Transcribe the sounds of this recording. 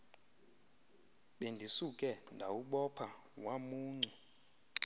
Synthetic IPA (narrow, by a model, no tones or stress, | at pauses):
ɓendʱisukʼɛndʱauɓɔpʰa | wamuːŋ͡ǀɛ